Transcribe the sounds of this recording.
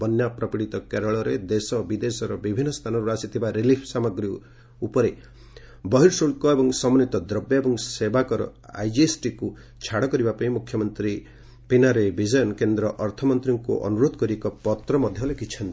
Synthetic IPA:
bɔnjapɾɔpiɽit̪ɔkeɾɔɭɔɾed̪esɔbid̪esɔɾɔbibʱinːɔst̪ʰanɔɾuasit̪ʰibaɾilipʰsamɔɡɾi | upɔɾe | bɔɦiɾsuɭkɔebɔŋsɔmɔnit̪ɔd̪ɾɔbjɔebɔŋsebakɔɾɔ̰a̰jd͡ʒiesʈiku | t͡ʃʰaɽɔkɔɾibapaĩmukʰːjɔmɔnt̪ɾi | pinaɾebid͡ʒɔjɔnkend̪ɾɔʔɔɾt̪ʰɔmɔnt̪ɾiŋkṵʔɔ̰nuɾod̪kɔɾiekɔpɔt̪ɾɔmɔd̪ʱjɔɦlekʰit͡ʃʰɔnt̪

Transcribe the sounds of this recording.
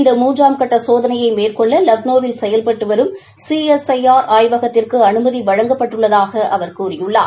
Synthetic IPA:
nd̪ɐmuːndraːmkɐʈːɐsoːðɐnɐjɐɪmeːrkɔɭːɐlɐʋnoːʋɪlsɛjɐlpɐʈːɯʋɐɾɯm | siːɛsɐjaːɾaːjʋɐɣɐt̪ːɪrkɯɐnɯmɐðiʋɐɻɐŋɡɐpːɐʈːɯɭːɐðaːɣɐʔɐʋɐɾkuːrɪjɯɭːa̰ː

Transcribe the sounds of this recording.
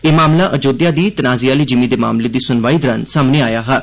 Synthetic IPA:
eːmaːmlaːʔəd͡ʒoːd̪jaːd̪iːt̪ənaːziːaːliːd͡ʒɪmĩːd̪eːma̰ːmleːd̪iːsʊnʋaːiːd̪ɾənsaːmneːaːjaːɦɛː

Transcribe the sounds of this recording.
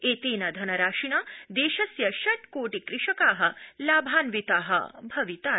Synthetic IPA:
eːt̪eːnɐd̪ʱɐnɐɾaːʂinad̪eːʃɐsjɐʃɐʈkoːʈikɾɪʂɐkaːɦɐlaːbʱaːnʋit̪aːɦɐ̰bʱɐʋit̪aː

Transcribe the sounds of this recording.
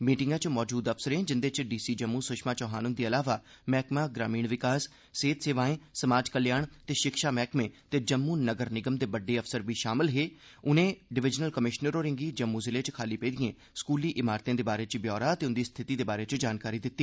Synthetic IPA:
miːʈɪŋɡãːt͡ʃmɔːd͡ʒuːd̪əpsəɾẽːd͡ʒɪnd̪eːt͡ʃɖiːsiːd͡ʒəmːũːsʊʃmãːt͡ʃɔːɦaːnʊnd̪iːəlaːʋaː | mɛːkmaːɡɾaːmiːɳʋɪkaːsː | eːt̪seːʋaːẽːsəmaːd͡ʒkəljaːɳt̪eːʃɪkʃaːmɛːkmẽːt̪eːd͡ʒəmːuːnəɡəɾnɪɡəmd̪eːbəɖːeːəfsəɾbiːʃaːmɪlɦeː | ʊnẽːɖɪʋɪd͡ʒnəlkəmɪʃnəɾoːɾɪ̃ŋɡiːd͡ʒəmːuːzɪleːt͡ʃkʰaːliːpeːd̪ɪijẽː | skuːliːʔɪmaːɾt̪ãːd̪eːbaːɾeːt͡ʃbjɔːɾaːt̪eːʊnd̪iːst̪ʰɪt̪iːd̪eːbaːɾeːt͡ʃd͡ʒaːnkaːɾiːd̪ɪt̪ːiː

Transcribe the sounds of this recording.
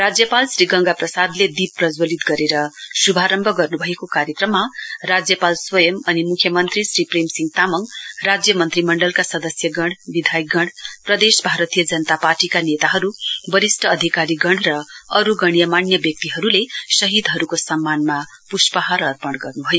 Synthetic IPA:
rad͡zjʌpalsriɡʌŋɡaprʌsad̪led̪ipprʌd͡zwʌlit̪ɡʌɾeɾʌsubʱaɾʌmbʱʌɡʌrnubʱʌekokaɾjʌkrʌmːarad͡zjʌpalswʌjʌmʌnimukʰjʌmʌnt̪risripremsiŋɡt̪amʌŋrad͡zjʌmʌnt̪rimʌɳɖʌlkasʌd̪ʌsjʌɡʌɽ̃bid̪ʱajɡʌɽprʌd̪esbʱaɾʌt̪ijʌd͡zʌnʌt̪aparʈikanet̪aɦʌɾubʌɾisʈʰʌːd̪ʱikaɾiɡʌɽrʌʌɾuɡʌɽ̃ijʌmanjʌbjʌk̚t̪iɦʌɾulesʌɦid̪ɦʌɾukosʌmːanma | puspʌɦaɾʌrpʌɽ̃ɡʌrnubʱʌjo

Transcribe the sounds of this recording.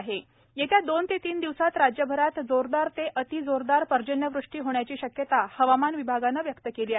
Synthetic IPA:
ɦe | jet̪jad̪ont̪et̪iːnd̪iʋsat̪ɾad͡ʑjəbʱəɾat̪d͡zoɾd̪aɾt̪eʔət̪id͡zoɾd̪aɾpəɾd͡ʑənjəʋɾuʂʈiːɦoɽ̃jat͡ɕiːɕəkjət̪ahəʋamanʋibʱaɡanːaʋjəkt̪əkeliːa

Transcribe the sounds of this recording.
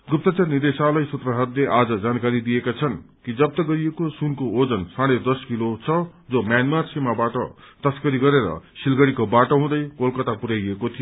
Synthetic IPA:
ɡup̚t̪ʌt͡sarnid̪esalʌjsut̪rʌɦʌt̪leʔad͡zʌd͡zankaɾid̪ijekat͡sʰʌnkid͡zʌb̚t̪ʌɡʌɾijekosunkood͡zʌnsaɽ̃ed̪ʌskilot͡sʰʌd͡zomjanmarsimabaʈʌ | t̪ʌskʌɾiɡʌɾeɾʌ̰silɡʌɽikobaʈoɦũd̪ʌjkolkʌt̪apuɾajekot̪ʰijo

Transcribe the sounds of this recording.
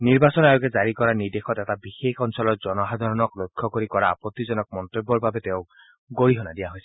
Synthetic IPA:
niɾbasɔnajoɡed͡ʒaɾikɔɾanid̪ekʰɔt̪ɛtabixekʰɔnsɔlɔd͡ʒɔnɔɦad̪ʱɔɾɔnɔklokʰːjɔkoɾikɔɾa̰ːpɔt̪ːid͡ʒɔnɔk̚mɔnt̪ɾibːɔɾbʱabet̪eʊ̃ | ɡoɽiɦɔnad̪iaɦojsʰi̥

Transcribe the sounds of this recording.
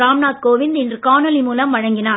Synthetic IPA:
ɾaːmnaːt̪̚koːʋɪnd̪ɪndrɯkaːnɔlimuːlɐmʋɐɻɐŋɡɪnaː

